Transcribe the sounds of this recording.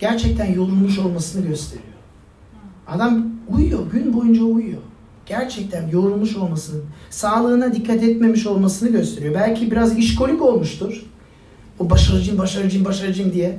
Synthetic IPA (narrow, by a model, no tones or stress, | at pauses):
ɟ̥æɾt͡ʃʰɛc̚t̪ʰænjo̞ɾulˠmuʃo̞lˠmasɯnɯɟøst̪ʰe̞̰ɾḭjo̞ | ad̪amujjo̞ɟynbo̞jund͡ʒaujjo̞ | ɟ̥æɾt͡ʃʰɛc̚t̪ʰænjo̞ɾulˠmuʃo̞lˠmasɯnɯsaːlˠɯːnad̪ikʰːat̪ɛt̪me̞miʃo̞lˠmasɯnɯɟø̞st̪ʰe̞ɾijo̞bælʲcʰibiɾaziʃkʰo̞lʲyko̞lˠmuʃt̪ʰuɾ̥ | ubaʃaɾɯd͡ʒɯmbaʃaɾɯd͡ʒɯmbaʃaɾɯd͡ʒɯnd̪ijɛ